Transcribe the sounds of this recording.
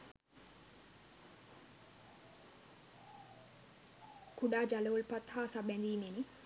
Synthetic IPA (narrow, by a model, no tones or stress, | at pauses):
kuɖaːd͡ʒaloːlpɐt̪ʰhaːsabɛnd̪iːmeni